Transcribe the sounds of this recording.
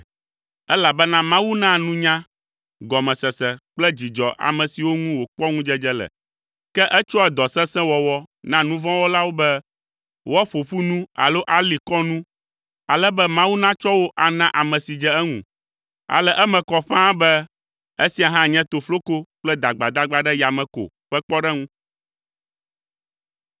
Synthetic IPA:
ɛ˦la˨bɛ˦nã˦mã˦wu˦nã˦nũ˦ɲã˦ | ɡɔ˨mɛ̃˨sɛ˨sɛ˨k͡plɛ˦d͡ʑi˨d͡ʒɔ˨ʔa̰˨mɛ̃˨si˨wo˦ŋũ˦wo˨k͡pɔ˦ŋũ˦d͡ʒɛ˦d͡ʒɛ˦lɛ̰˨ | kɛ˦ʔɛ˦t͡ʃɔ˦ɛ˨d̪ɔ˨sɛ̃˦sɛ̃˦wɔ˨wɔ˦nã˦nũ˦vɔ̃˦wo˦la˦wo˦bɛ˦ | wɔ˦ɸo˨ɸu˦nũ˦a̰˨lo˦ʔa˦li˨kɔ˦nũ˦ | a˨lɛ˦bɛ˦mã˦wu˦nã˦t͡ʃɔ˦wo˦ʔa˨nã˦ʔa˨mɛ̃˨si˨d͡ʒɛ˦ɛ˦ŋṵ̃˨ | a̰˨lɛ˦ʔɛ˦mɛ̃˨kɔ˦ɸã˦bɛ˦ | e˦si˨a˨ɦã˦ɲɛ̃˦t̪o˨flo˦ko˦k͡plɛ˦d̪a˨ɡ͡ba˨d̪a˦ɡ͡ba˦ɖɛ˦ja˨mɛ̃˨ko̰˨ | ɸɛ˦k͡pɔ˦ɖɛ˦ŋũ˦

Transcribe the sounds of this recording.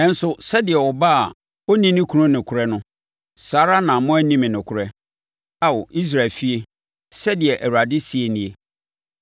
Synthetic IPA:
ɛ̃˦n̩˦sʊ˨sɛ˦dɪ˨ɛ˨wɔ˨ba˦a˨ | o˦nĩ˦nɪ̃˦kʰu˦ʊ̃˦nɪ̃˨kʰʊ˨ɾɛ˦nʊ̃˦ | saː˦ɾa˦nã˨mʊ̃˦æ˦nĩ˦mɪ̃˨nɪ̃˨kʰʊ˨ɾɛ˦ | a˦wɔ˨ʔi˦s̬ɾa˨fi˦e˦ | sɛ˦dɪ˨ɛ˨ʔæ˨wu˨a˨dɪ˦si˨˦e˨nĩ˦e˦

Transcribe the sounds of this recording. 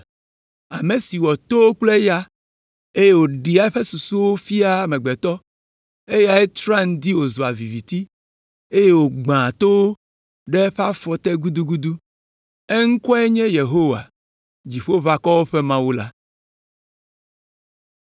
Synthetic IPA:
a˨me˨si˨wɔ˨t̪o˦wo˦k͡ple˦ja˦ | e˦je˦wo˨ɖi˨a˨e˦ɸe˦su˨su˦wo˦fi˦a˦mɛ̃˨ɡ͡bɛ˨t̪ɔ˦ | e˦ja˦e˦t͡ʃɾa˦ŋ̩˨˦d̪i˦wo˨zo˨a˨vi˨vi˨t̪i˦ | e˦je˦wo˨ɡ͡bã˨t̪o˦wo˦ | ɖe˦ɸa˦fɔ˨t̪e˦ɡu˦d̪u˦ɡu˦d̪u˦ | e˦ŋ̩˦kɔ˦ɛ˦ɲɛ̃˦je˨ɦo˦wa̰˨ | d͡ʑi˨ɸo˦va˨kɔ˦wo˦ɸe˦mã˦wu˦la˦

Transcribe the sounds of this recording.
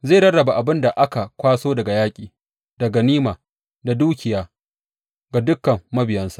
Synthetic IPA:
zeː˦˨ɽɐ˦ɽɐ˨ba˨ʔa˨bɪ˦nda˨ʔa˦ka˨kʷaː˦soː˦dɐ˨ɡa˨jaː˦kʲʼiː˨ | d̥ɐ˨ɡɐ˨niː˦maː˨ | da˨duː˦kʲɪ˨jaː˦ | ɡa˨dʊ˦kːɐ˨mːɐ˦bɪ˨jɐ˦nsa˦ʔ

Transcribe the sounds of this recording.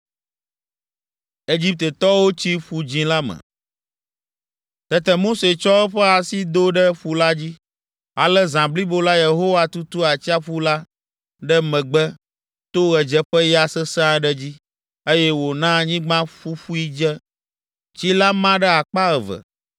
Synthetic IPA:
e˦d͡ʑi˦p̚t̪e˨t̪ɔ˦wo˦t͡ɕi˦ɸu˨d͡ʑĩ˦la˦mɛ̰̃˨ | t̪ɛ˦t̪ɛ˨mo˦se˨t͡ʃɔ˦ɛ˦ɸɛ˦a˨si˦d̪o˦ɖɛ˦ɸu˨la˦d͡ʑi˦ | a̰˨lɛ˦zã˨bli˦bo˦la˦je˨ɦo˦wa˨t̪u˦t̪u˦a˨t͡ɕi˦a˦ɸu˦la˦ | ɖɛ˦mɛ̃˨ɡ͡bɛ˦ | t̪o˦ɣɛ˨d͡ʒɛ˦ɸə˦ja˨sɛ˦sɛ˦ã˦ɖɛ˦d͡ʑi˦ | e˦jɛ˦wo˨nã˦ɲĩ˦ɡ͡bã˦ɸu˦ɸu˦i˦d͡ʒɛ˦ | t͡ɕi˦la˦mã˦ɖɛ˦a˨k͡pa˦ɣɛ˨və̰˨

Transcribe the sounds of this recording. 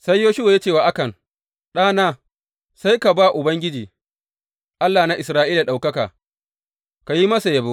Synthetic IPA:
sa˦jːoː˦ʃʊ˦wa˨ja˦t͡ʃeː˦˨waː˨ʔa˦kɐ˨n | ɗaː˦naː˦ | sa˦jka˨baː˦˨ʔʊ˨bɐ˦ŋɡʲɪ˦d͡ʒiː˨ | ʔa˦lːaː˨na˦ʔɪ˨sɾaː˦ʔiː˦la˨ɗa˨wkɐ˦ka̰ː˨ | ka˨ji˦mɐ˦sa˨jɐ˨bo˦

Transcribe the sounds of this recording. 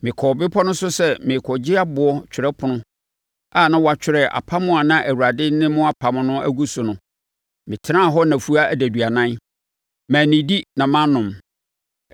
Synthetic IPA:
mɪ̃˨kʰɔ˨bɪ˦pʰɔ˦nʊ̃˦sʊ˦sɛ˦mɪ̃˨kʰɔ˨d͡ʑɪ˦a˦bʊ˨ɔ˦t͡ɕᶣʰɪ˨ɾɛ˦pʰʊ˨nʊ̃˦ | a˦˨nã˦wa˨t͡ɕᶣʰɪ˦ɾɛ˨ʔa̰˨pʰa˦mʊ̃˦a˨nã˦ʔæ˨wu˨a˨dɪ˦nɪ̃˦mʊ̃˦a˦pʰa˨mʊ̃˨nʊ̃˦æ̰˦ɡu˦sʊ˨nʊ̃˨ | mɪ̃˨tʰɪ˦ɾã˦˨ɦɔ˦nã˨fu˦a˦æ˨dæ˨dɥa˨nã˦n | mæ̃ː˨nĩ˨di˦nã˨mã˦nʊ̃˨m

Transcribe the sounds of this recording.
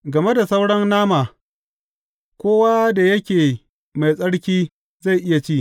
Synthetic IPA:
ɡɐ˨me˦da˨sa˦wɽɐ˦nːaː˦maː˨ | kʷoː˦waː˦da˨jɐ˦kʲeː˨ | ma˨jsʼɐ˦ɽkʲiː˦ | za˦˨jʔɪ˦ja˨t͡ʃiː˦˨

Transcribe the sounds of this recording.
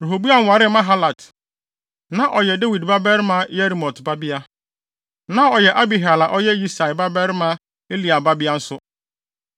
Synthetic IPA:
ɾu˨ɦo˨bu˦a˦ŋ̩˦wa˨ɾɪ˦mã˦ɦa˦la˨d | nã˨ʔɔ˨jɛ˨de˦wi˨dba˦bɛ˦ɾɪ˦mã˦je˦ɾi˨mɔ˨tba˦bɪ˦a˦ | nã˨ɔ˨jɛ˨ʔa˦bi˨ɦa˨la˨ʔɔ˦jɛ˦ji˦sa˨jba˦bɛ˦ɾɪ˦mã˦ | e˦li˨a˨ba˦bi˦a˦n̩˦sʊ˦

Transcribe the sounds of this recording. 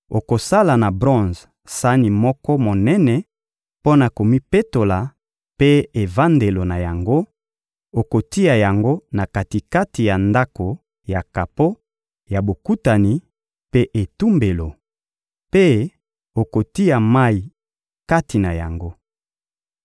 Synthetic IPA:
o˨ko˨sa˦la˨na˨bʁɔ̃˦z | sa˦ni˨mɔ˦kɔ˦mo˨nɛ˦nɛ˨ | po˦na˨ko˨mi˦pe˦to˨la˨ | pe˦e˨va˦nde˨lo˨na˨ja˨ŋɡo˦ | o˨ko˨ti˦a˨ja˨ŋɡo˦na˨ka˨ti˨ka˦ti˨ja˨nda˦ko˨ | ja˨ka˨po˦ | ja˨bo˨ku˦ta˨ni˨ | pe˦ʔe˨tu˦mbe˨lo˨ | pe˦ | o˨ko˨ti˦a˨ma˦i˨ | ka˦ti˨na˨ja̰˨ŋɡo˦

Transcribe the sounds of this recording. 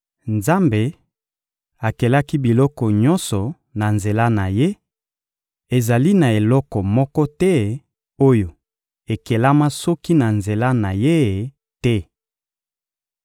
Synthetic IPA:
nza˦mbe˨ | a˨ke˨la˦ki˦bi˨lɔ˦kɔ˨ɲɔ˦nsɔ˨ | na˨nze˨la˦na˨je˦ | e˨za˨li˦na˨e˨lɔ˦kɔ˨mɔ˦kɔ˦tɛ˦ | o˦jo˨ | e˨ke˨la˦ma˦sɔ˦ki˦na˨nze˨la˦na˨je˦˨ | tɛ˦

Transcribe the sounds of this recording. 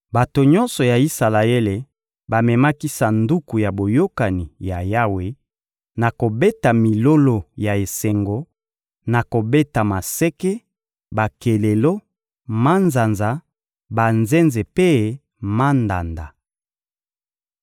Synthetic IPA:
ba˨to˨ɲɔ˦nsɔ˨ja˨i˦sa˨la˨e˦le˨ | ba˨mɛ˨ma˦ki˦sa˨ndu˦ku˨ja˨bo˨jo˦ka˨ni˨ja˨ja˦we˨ | na˨ko˨be˦ta˨mi˨lo˦lo˨ja˨e˨se˨ŋɡo˨ | na˨ko˨be˦ta˨ma˨sɛ˦kɛ˦ | ba˨ke˨le˨lo˦ | ma˦nza˨nza˨ | ba˨nze˦nze˨pe˦ | ma˦nda̰˨nda˨

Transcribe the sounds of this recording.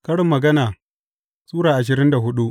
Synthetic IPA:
kɐ˦ɽɪ˨mːɐ˨ɡɐ˦naː˨ | sʼuː˦ɽaː˨ʔa˨ʃ̬ɪ˨ɾɪ˦nda˨ɦʊ˦ɗu˦ʔ

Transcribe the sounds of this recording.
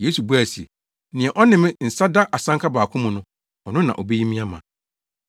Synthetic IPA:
jeː˨˦su˨bu˦æ˨si˨e˨ | nɪ̃˨ɛ˨ʔɔ˦nɪ̃˦mɪ̃˦n̩˨sa˦da˦ʔa˨sã˦ŋkʰa˦baː˨kʰʊ̃˦mʊ̃˨nʊ̃˦ | ɔ˨nʊ̃˦nã̰˨ʔɔ˨be˦ji˦mĩ˦a˦mã̰˨

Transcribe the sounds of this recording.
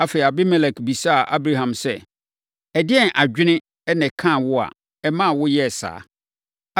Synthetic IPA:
a˨fe˨a˨bɪ˦mɛ˨lɛ˨kbi˨sa˦a˨ʔa˦bɾa˦ɦã˨msɛ˦ | ɛ˨dɪ˦ɛ˦nʔa˨d͡ʑᶣɪ˦nɪ̃˦ | ɛ˦nɛ̃˨kʰã˦˨wʊ˦a̰˨ | ɛ˦mã˦˨wʊ˦jɛ˦˨sa̰ː˨˦

